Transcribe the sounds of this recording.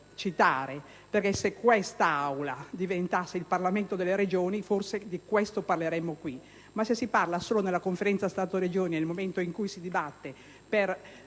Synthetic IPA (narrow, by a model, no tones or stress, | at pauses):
t͡ʃit̪aːɾe | perkesːekːwɛst̪aawlad̪ivent̪asːeilparlament̪od̪elːeɾed͡ʒoːniforsed̪ikwɛst̪oparleɾɛmːokwi | masːesːiparlasoːlonelːakoɱfeɾɛnt̪sast̪aːt̪oɾed͡ʒoːninelmoment̪oiŋkujsid̪ibat̪ːe | per